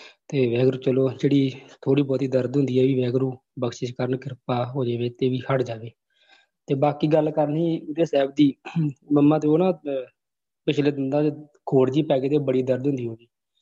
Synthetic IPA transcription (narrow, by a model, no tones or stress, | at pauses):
t̪eːʋɛːɡɾuːt͡ʃəloːd͡ʒeːɽiːt̪ʰoːɽiːbɔːt̪iːd̪əɾd̪ɦʊ̃nd̪iːɛːʋiːʋɛːɡɾũːbəɡʃɪt͡ʃkəɾənkɪɾpaːɦoːd͡ʒaːʋeːt̪eːʋiːhəʈd͡ʒaːʋeː | t̪eːbaːkiːɡəlkəɾnɦiːʊd̪eːsɛːb̚d̪iːməmːãːt̪eːoːnãː | pɪt͡ʃʰleːd̪ɪnd̪ãː | kʰoːɽd͡ʒiːpɛːɡeːt̪eːbəɽiːd̪əɾd̪ʊ̃nd̪iːɦoːɡiː